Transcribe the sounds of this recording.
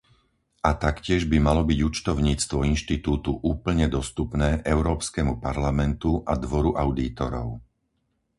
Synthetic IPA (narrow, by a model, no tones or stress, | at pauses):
at̪akcɪɛʒbimalɔbiɟut͡ʃt̪ɔʊɲiːt͡st̪ʋɔinʃt̪it̪uːt̪uʔuːpl̩ɲɛd̪ɔst̪upnɛːʔɛʊɾɔːpskɛːmupaɾlamɛnt̪uʔad̪ʋɔɾuʔaʊd̪iːt̪ɔɾɔ̰ʊ